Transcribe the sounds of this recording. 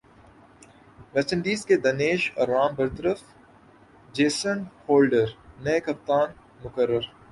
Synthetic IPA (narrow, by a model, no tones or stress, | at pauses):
ʋɛt͡ʃə̃nɖ̪iːsked̪ɐneːʃɔ̰ɾːaːmbəɾt̪əɾəf | d͡ʒeːsənhoːlɖəɾnekɐp̚t̪aːn | mʊkəɾːəɾ